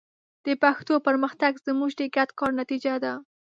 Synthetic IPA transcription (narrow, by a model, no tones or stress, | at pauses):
d̪̥əpaxt̪opəɾməxt̪aɡzəmuʒɖ̪eɡat̪kɑɾnat̪id͡ʒad̪a